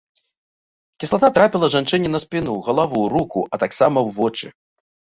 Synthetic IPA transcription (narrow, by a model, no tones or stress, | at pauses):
kʲisˠat̪at̪ɾapʲilˠɐʐant͡ʂɨnʲɛnɐspʲin̪uɣɐlˠavuwɾukuʔɐt̪aksamɐwvɔt͡ʂɨ̰